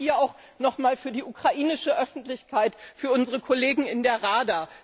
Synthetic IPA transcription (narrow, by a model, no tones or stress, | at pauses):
hiːɐaʊx | nɔχmaːlfyːɐdiːʔukʁ̥aʔiːnɪʃəʔœfn̩tlɪçkʰaɪtfyːɐʔʊnzəʁəkʰɔleːɡŋ̩ɪndeːɐʁaːdaː